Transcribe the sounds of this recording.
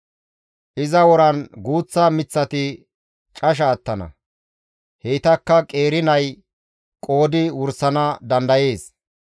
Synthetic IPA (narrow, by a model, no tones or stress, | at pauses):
ʔɪzɐwɔɾɐnɡuːt͡sːɐmɪt͡sːɐt̪ɪ | t͡ʃʼɐʃ̬ɐːt̪ːɐnɐ̰ | heːt̪ɐkːɐkʼe̞ːɾɪnɐj | kʼo̞ːd̪ɪwʊɾsɐnɐd̪ɐnd̪ɐje̞ːs